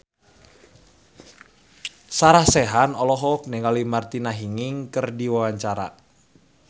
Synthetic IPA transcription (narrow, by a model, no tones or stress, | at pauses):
saɾahsɛɦanɔlɔɦɔk̚nɛŋalimart̪inaɦiŋɪŋkərdiwawaɲt͡ʃaɾa̰